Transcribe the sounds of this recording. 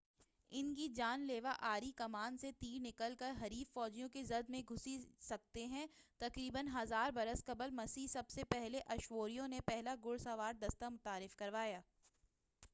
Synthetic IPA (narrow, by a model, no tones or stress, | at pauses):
ɪnk̬id͡ʒaːnleːʋaʔaːɾikɐmaːnset̪iːɾnɪkəlkɐɾɦɐɾiːffɔːd͡ʒijõkezɐd̪mẽɡʱʊsisɐk̚t̪eɦɛ̃t̪ɐkɾiːbənɦɐzaːɾbɐɾəskɐbəlmɐsisɐbsepɛɦleʔɐʃʋoːɾijõnepɛɦlaɡʊɽsaʋaːɾd̪ɐst̪amʊt̪aːɾɪfkɐɾʋaːjaː